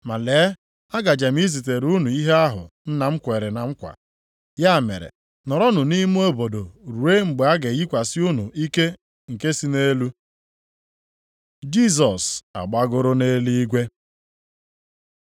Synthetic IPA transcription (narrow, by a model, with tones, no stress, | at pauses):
ma˨leː˨˦ | a˦ɡa˨d͡ʒa˨m̩˦i˦zi˨t̬e˨ɾu˦nu˨i˦ɦe˦a˦ɦʊ̰˨n̩˦na˨ŋ͡m̩˦kʷe˨ɾe˨na˨ŋ͡m̩˦kʷa̰˨ | ja˦˨mḛ˨ɾḛ˨ | nɔ˨ɾɔ˦nʊ˨ni˦m˦o˦bo˨do˨ɾu˨e˦ŋ͡m̩˨ɡ͡be˨˦a˦ɡe˨ɣi˦kʷa˨sɪ˦u˦nu˨ʔi˦ke˦ | ŋ̩˨ke˦si˦ne˦lu˦ | d͡ʒi˦˨s̬ɔ˨sa̰˨ɡ͡ba˦ɡʊ˦ɾʊ˦ne˦li˦i˦ɡʷe˦